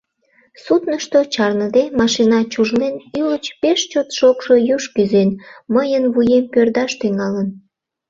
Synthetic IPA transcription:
sut̪nəʃt̪ot͡ɕɑrnəd̪emɑʃinɑt͡ɕuʒlenylət͡ɕpeʃt͡ɕot̪ʃokʃojuʃkyzenməjənβujempørd̪ɑʃt̪yŋɑlən

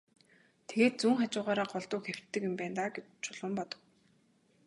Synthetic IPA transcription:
t̪ʰeɣeːt̪̚t͡suːŋχat͡ɕʊːʁaːɾaːɢɔɮt̪ʊːxew̥t̪ːɘ̆kjʊmpæːnt̪aːɡe | t͡ɕʰʊɮʊ̆mpɔt̪ɞ̥̆w

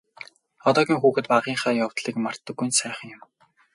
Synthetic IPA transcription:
ɔt̪ɔːɣʲiːŋxuːxɘ̆t̪paʁiːɴχaːjawt̪ɮiːkmar̥t̪ːə̆ɡːujnsæːχə̆ŋjʊ̆m

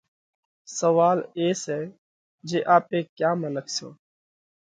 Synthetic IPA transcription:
səʋaːleːsɛː | d͡ʒeːʔaːpeːkjaːmənəksõ̰ː

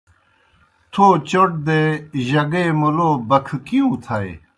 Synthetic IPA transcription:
t̪ʰoːt͡ɕoʈ̚d̪eʑɐɡemuloːbɐkʰkiũːt̪ʰɐe

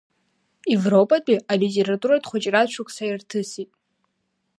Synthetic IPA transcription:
evro̞pʼat͡pʼialitʲʼe̞ɾatʼuɾadχʷʊt͡ʃʼrat͡ʃʷʰʊkʷʼsairtʰɨsitʼ

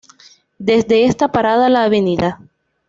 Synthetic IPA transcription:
d̪e̞zd̪e̞est̪apaɾaðalaːβe̞niða

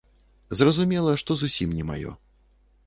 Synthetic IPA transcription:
zrɐzumʲɛlˠɐʂt̪ɔzusʲimnʲɛma̰jɔ̰

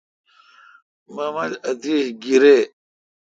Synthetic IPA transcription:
mɐmɐlɐt̪iɕɡiɾe

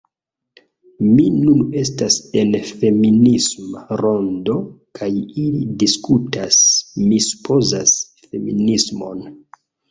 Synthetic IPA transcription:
minune̞s̬tase̞nfe̞minismaɾo̞ndo̞kʰajilidiskutasmisu̥pʰo̞zas | fe̞minismo̞n

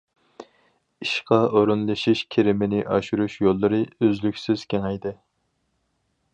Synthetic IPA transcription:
iʃqɑʔoɾunlˠɨʃiʃkʲʰeɾɪmɪnɪʔɑʃuɾuʃjolˠːɨɾɨøzlykʲsɪz̥kʲeŋɛjd̪ɪ

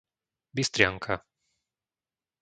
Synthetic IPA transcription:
bist̪ɾjaŋkʰa

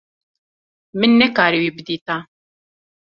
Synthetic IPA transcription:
mɨnːɛkaːɾiwiːbɨd̪iːt̪a

